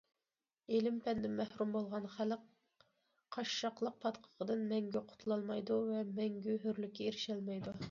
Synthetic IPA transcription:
elɪmpʰɛnd̪ɪmɛhɾumbolˠʁɑnχælq | qʰɑʃʃɑqlˠəq̚pʰɑt̪qʰə̥ʁʰəd̪ɨnmɛŋɡʲyqʰʊ̥t̪ʰulˠɑlˠmɑjd̪uvɛmɛŋɡʲyɦøɾlykʲːɛeɾɪʃɛlmɛjd̪u

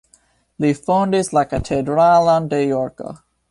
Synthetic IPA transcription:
lifãʊ̃ndɪzlaɪkɨtʰɛdɹalˠə̃ndejɔɹkə̰

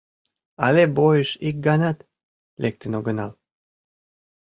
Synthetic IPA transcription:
ɑlebojəʃik̚ɡɑnɑt̪ | lʔek̚t̪ənoɡənɑl

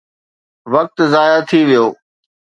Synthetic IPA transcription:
ʋɐk̚t̪zaːjat̪ʰiʋijoː

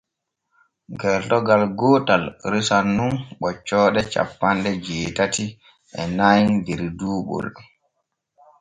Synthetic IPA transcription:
ɡɛltɔɡalɡɔːtalɾisanːunɓɔt͡ʃːɔːɗɛt͡ʃa̰pːanɗɛd͡ʒɛːtati | ʔɛ̰najndɛɾduːɓɔ̰l

